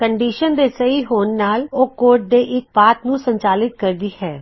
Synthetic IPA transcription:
kəɳɖiːʃənd̪eːsəiːɦoːnːaːloːkoːɾʈ̚d̪eːʔɪk̚paːt̪nũːsəɲt͡ʃaːlɪt̪̚kəɾd̪iːɦɛː

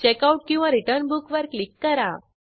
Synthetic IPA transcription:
t͡ɕɛkauʈ̚kĩʋãɾiʈəɾnbukʋəɾklikːəɾa

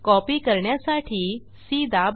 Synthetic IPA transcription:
kɔpikəɾɳjasaʈʰiː | sid̪ʱab

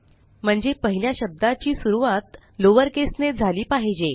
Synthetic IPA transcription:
m̤əɳd͡zepəɦiljaɕəb̚d̪at͡ɕiːsuɾuʋat̪ | loʋəɾkesned͡zʱaliːpaɦid͡ʑe

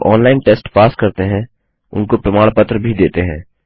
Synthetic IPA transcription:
ʔɔːnlaːɪnʈeːsʈpaːskəɾt̪eɦɛ̃ | ʊ̰nkopɾəmaːɽ̃pət̪ɾəbʱid̪eːt̪eɦɛ̃ː

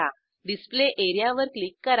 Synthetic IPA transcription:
a | ɖispleʔeɾijaʋəɾklikːəɾ

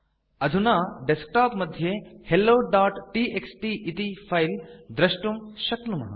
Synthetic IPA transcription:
ɐd̪ʱunaːɖesk̚ʈaːpmɐd̪ʱjehelːoːɖaːʈʈiʔeksʈiʔit̪ipʰɐjld̪ɾɐʃʈumʃɐknumɐ̰ɦɐ̰

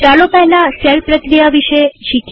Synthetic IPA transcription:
alopɛɦɛlaselpɾəkɾijaʋiʃeʃikʰ

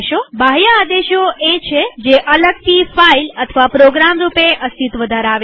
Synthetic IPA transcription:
ʃobʱajaːd̪eʃoet͡ʃʰed͡ʒeʔələɡ̚t̪ifailət̪ʰəʋapɾoɡɾamɾupeʔəst̪ʰit̪ʋəd̪ʱaɾaʋe

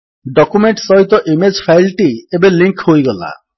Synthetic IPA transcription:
ɖɔkumeɳʈsɔɦit̪ɔʔimed͡ʒpʰajlʈiebeliŋkhojɡɔla̰

